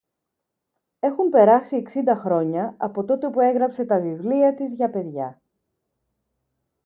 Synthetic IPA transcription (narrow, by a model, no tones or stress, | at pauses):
e̞xumpe̞ɾɐsieksind̪ɐxɾo̞ɲɐɐpo̞t̪o̞t̪e̞pue̞ɣɾɐpse̞t̪ɐvivliɐt̪izʝɐpe̞ðʝɐ̰